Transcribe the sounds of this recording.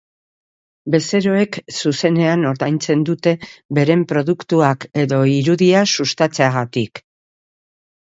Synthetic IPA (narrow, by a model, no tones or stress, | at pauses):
be̞se̞ɾo̞e̞ksuse̞ne̞ano̞ɾðajnt͡se̞nd̪ut̪e̞be̞ɾe̞mpɾo̞ðukt̪uake̞ðo̞iɾuðiasust̪at͡se̞aɣat̪ik